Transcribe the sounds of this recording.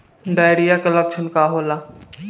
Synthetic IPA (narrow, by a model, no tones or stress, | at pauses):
ɖaːjɾijakələkʃʰənkaɦoːla